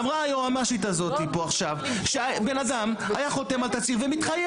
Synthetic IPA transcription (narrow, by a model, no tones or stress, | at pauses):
mʁaajoamaʃit̪̬azo̞t̪ipo̞aχʃav | ʃeabe̞nad̪amajaχo̞t̪e̞malt̪at͡siʁvemit̪χaje